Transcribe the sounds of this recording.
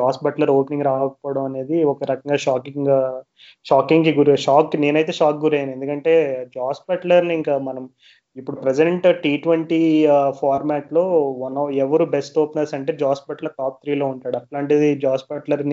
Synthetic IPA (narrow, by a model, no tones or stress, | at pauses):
d͡ʒaːsbɐʈlɐɾoːpniŋɡɾaːʋɐkɐpɔːʋɐɽɐmɐne̞ːd̪iɔkɐɾɐkɐŋɡaːʂaːkiŋɡ | ʂaːkiŋɡiɡuɾʂaːkːine̞ːnɐjt̪e̞ːʃaːk̚ɡuɾejane̞nd̪ukɐɳʈe̞ːd͡ʒaːspɐʈlɐɾniiŋkamɐnɐm | ipːuɽupɾesɖeɳʈʈiːʈʋɐɳʈiːpʰaːɾmaːʈlo̞ːʋɐnɛʋɐɾuːbesʈoːpnɐlsɐɳʈe̞ːd͡ʒaːsbɐʈlɐɾʈaːp̚t̪ʰɾiːlo̞ːuɳʈaːɽuɐʈlaːɳʈ̬id̪id͡ʒaːsbɐʈlɐɾni